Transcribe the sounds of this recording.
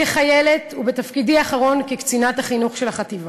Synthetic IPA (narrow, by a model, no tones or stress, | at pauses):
eχaje̞le̞tubet̪afkidiaːχaʁo̞nkekt͡sinat̪haχinuχʃelhaχat̪iva